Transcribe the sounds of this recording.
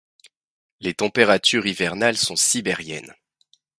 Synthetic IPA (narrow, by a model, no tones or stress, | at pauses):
let̪ɑ̃peʁat̪ʰyʁivɛʁnalsɔ̃sibɛʁjɛ̰n